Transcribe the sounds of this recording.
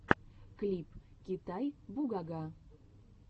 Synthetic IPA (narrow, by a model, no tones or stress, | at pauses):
klʲipkʲit̪ajbuɡaɡa